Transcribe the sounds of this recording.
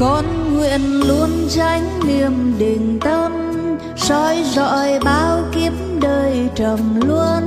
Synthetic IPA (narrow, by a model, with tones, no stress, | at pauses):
kɔ˨˦n | ŋwḭ˧˨ənlu˧ənt͡ɕa˧˦jŋ̟ni˨˩əmɗi˨˩ŋt̪ə˧m | sɔ˧˦jzɔ̰˧˨jɓaː˨˧˦wki˧˦əmɗəː˨˩jt͡ɕə˨˩mlu˧ən